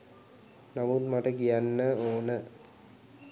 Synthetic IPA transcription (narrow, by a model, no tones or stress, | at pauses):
nɐmuːt̪mɐʈɐkijanːəoːnə